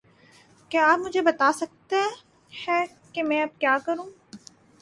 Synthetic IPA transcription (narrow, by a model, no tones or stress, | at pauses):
keaːpmʊd͡ʒʱebɐt̪aːsɐk̚t̪eɦɛ̃ | hɛː | kemɛ̃ɐb̚kjaːkɐɾũː